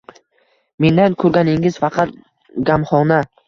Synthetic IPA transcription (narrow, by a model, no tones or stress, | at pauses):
me̞nd̪ankʰɵɾɡʲanɪŋɪz̥fɑqʰɑt̪̚ | ɡʲamχɒna